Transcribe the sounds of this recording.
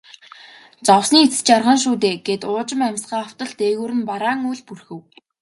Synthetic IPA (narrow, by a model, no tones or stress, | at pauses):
t͡sɔwsniːet͡sɘ̥̆t͡ɕarʁə̆nʃ̬uːt̪eːɡ̥et̪ʊːt͡ɕɪ̆mæmʲsɢaːaw̥t̪ə̆ɮt̪eːɣuːɾɘ̆npaɾaːŋujɮpurxɘ̆w